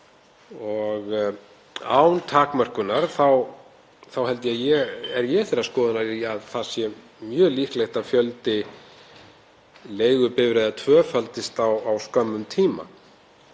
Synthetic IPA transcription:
ɔɣ | a̰ːwnt̪ʰaːkmar̥kʏnaɾ̥θaw | θawhɛlt̪ɪjajɛɛɾjɛθɛɾːaskɔːðɪnaɾiaðθasjɛ | mjœːlihklejxt̪afjœlt̪ɪ | leːjɣʏpɪvɾeːðat̪ʰvœːfalt̪ɪst̪awawskœmːʏmt̪ʰiːma̰

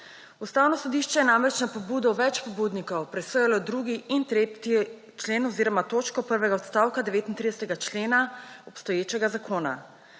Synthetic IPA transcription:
ust̪aːwnɔsɔd̪iːʃt͡ʃɛjɛnamɾɛt͡ʃnapɔbuːd̪ɔʋɛt͡ʃpɔbuːd̪nikɔwpɾɛsɔjɛlɔd̪ɾuːɡiint̪ɾet̪i | t͡ʃleːnɔziːɾɔmat̪oːt͡ʃkɔpəɾʋɛɡaɔt̪st̪awkad̪ɛʋeːt̪int̪ɾid̪ɛsɛt̪ɛɡat͡ʃleːnaɔpst̪ɔjeːt͡ʃɛɡazakʰoːna̰

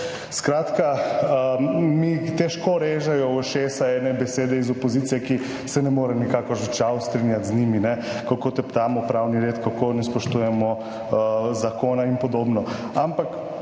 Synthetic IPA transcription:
skɾaːt̪ka | mit̪ɛʃkɔɾeːʒajɔʃeːsaɛnɛbɛseːd̪ɛizɔpozit̪sijɛki | sɛnɛmoːɾɛnikakɔʒɛt͡ʃawst̪ɾinjat̪zniminɛkakot̪ɛpt̪aːmɔpɾawniɾeːt̪kakonɛspɔʃt̪ujɛmɔ | zakoːnainpɔd̪oːbnɔ | ampak

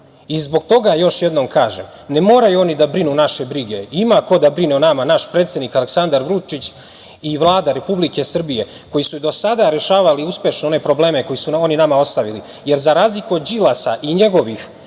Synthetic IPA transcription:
izbo̞ɡt̪o̞ɡajo̞ʃje̞d̪no̞mkʰaːʒe̞̰m | nemo̞ːɾajuo̞nid̪abɾinunaʃe̞bɾiɡe̞imako̞d̪abɾineonamanaʃpɾet̪sje̞d̪nikale̞ksand̪aɾʋɾut͡ʃit͡ɕ | iʋlˠaːd̪aɾe̞publike̞sr̩bije̞ | ko̞jisud̪o̞sad̪aɾe̞ʃaːʋaliuspje̞ʃnoo̞ne̞pɾo̞ble̞ːme̞ko̞jisuo̞ninamao̞st̪aʋili | je̞ɾzaɾaːzlikuod̪d͡ʑilˠasa̰ʔiɲe̞ɡo̞ʋix

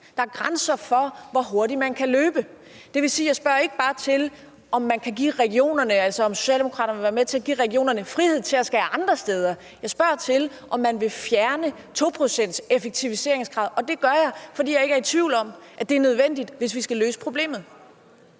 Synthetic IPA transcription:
d̥ɑ̈æɐɡ̥ʁansɐfɒ̽ʋɒɦo̝ɐɾimænkʰæløːb̥ə | d̥e̝ʋe̝siːjɑ̈ɪsb̥ɶɐ̰e̝ɡ̥əb̥ɑ̈ːt͡sʰe̝l | ʔɒ̽mːænkʰæɡḭːʁɛɡio̝̰ːnɐnəælsɒɒ̽mso̝̥ɕɛ̰ldemo̝kʰʁɑ̈ːɾɐnʋeʋæːɐmet͡sʰe̝æɡ̥ḭːʁɛɡ̥io̝̰ːnɐnəfʁihe̝ð̞̰ˠt͡sʰe̝læsɡ̥ɛːɑ̈nd̥ʁɐsd̥eːð̞ˠɐ | jɑ̈ɪsb̥ɶɐ̰t͡sʰe̝l | ʔɒ̽mːænʋe̝fjæɐnə | t͡sʰo̝pʰʁo̝sen̰d̥sefeɡ̥̚t͡sʰiʋise̝ɐeŋsɡ̥ʁɑ̈ðˠɒ̽d̥e̝ɡ̥ɶɐjɑ̈ɪfɒd̥ḭːjɑɪe̝ɡ̥ɐt͡sʰʋiʊ̰lɒ̽mʔæd̥e̝æɐnøð̞ˠʋen̰d̥id̥ʋe̝sʋisɡ̥æløːsə̥pʰʁo̝b̥le̝̰ːmð̩ˠ

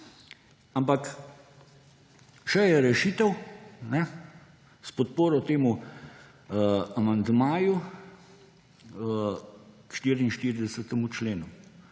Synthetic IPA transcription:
ampak | ʃɛjɛɾɛʃiːt̪ɛwnɛ | spɔt̪̚poːɾɔt̪eːmu | amand̪maːju | ʃt̪iːɾiinʃt̪iːɾid̪ɛsət̪ɛmut͡ʃleːnu

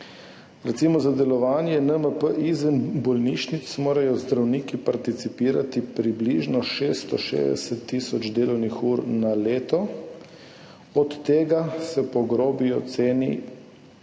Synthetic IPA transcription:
ɾɛt̪simɔzad̪ɛlɔʋaːnjɛnəməpəʔizənbɔlniʃnit̪smoːɾajɔzd̪ɾawniːkipaɾt̪it̪sipiːɾat̪ipɾibliʒnɔʃeːst̪ɔʃḛːzd̪ɛ̰sɛt̪ːiːsɔd͡ʒt͡ʃd̪eːlɔwnixuːɾnaleːt̪ɔ | ɔt̪ːeːɡasɛpɔɡɾoːbijɔt̪seːnḭ

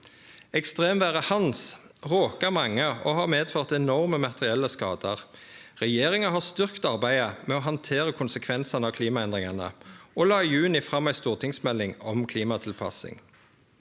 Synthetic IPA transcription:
ɛkst̪ʁeːmʋæːʁəhɑnsʁoːkəmɑŋːəohɑːʁmeːd̪føʁt̪ɛnɔʁməmɑt̪əʁɪɛlːəskɑːd̪əʁʁɛjeːʁɪŋəɦɑːst̪ʏʁkt̪ɑʁbæɪəmɛɔːɦɑnt̪ʰeːʁəkʰʊnsəkʰʋɛnsɑnəɑːʋkʰliːmɑɛnd̪ʁɪŋɑnə̰olɑːijʉːnɪfʁɑmːæɪst̪uːʁt̪ʰɪŋsmɛlːɪŋɔmkʰliːmɑt̪ʰɪlpʰɑ̰sɪ̰ŋ

